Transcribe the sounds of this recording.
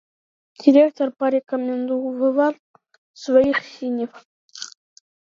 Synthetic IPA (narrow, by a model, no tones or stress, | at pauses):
d̥ʲiɾʲekt̪orpɑɾʲekomʲend̪uvɤ̆ʋɑr | svʲeiχsʲinʲef